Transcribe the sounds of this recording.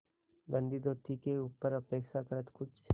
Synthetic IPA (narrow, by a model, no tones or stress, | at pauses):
ɡə̃nd̪id̪oːt̪ʰikeuːpəɾɐpeːkʃakəɾət̪kʊt͡ʃʰ